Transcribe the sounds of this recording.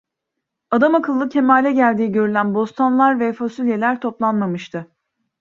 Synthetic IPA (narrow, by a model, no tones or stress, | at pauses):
ad̪amakʰɯlˠːɯcʰe̞maːlʲɛɟælʲd̪iːiɟø̞ɾylʲænbo̞st̪ʰanlˠaɾvɛfasylʲje̞lʲæɾt̪ʰo̞plˠanmamɯʃt̪ʰɯ